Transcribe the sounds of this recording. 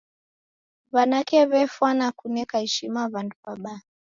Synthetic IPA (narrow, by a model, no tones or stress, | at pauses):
βanakɛβɛfwanakunɛkahɛʃimaβandupaɓa